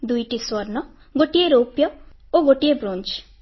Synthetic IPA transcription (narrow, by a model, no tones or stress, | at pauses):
d̪ujʈiswʌɾnɔ | ɡoʈijeɾopjʌoɡoʈijebɾont͡ʃ